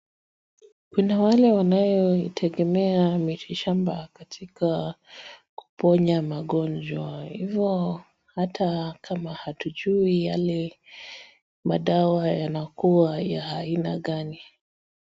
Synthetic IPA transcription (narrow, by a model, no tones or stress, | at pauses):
kunawalɛwanajɔitʰɛɠɛmɛamiʃiʃambakatʰika | ku̥pɔɲamaɠɔnd͡ʒwahivjɔ | hatʰakʰamahatuʄuija̰lɛ | maɗawajanakuwajahaina̰ɠani